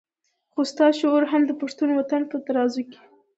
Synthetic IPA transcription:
xost̪ɑʃooɾɦamd̪əpaʂt̪unwat̪anpət̪aɾɑzuke̥

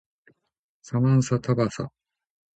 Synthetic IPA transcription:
samãɰ̃sat̪ʰabasa̰

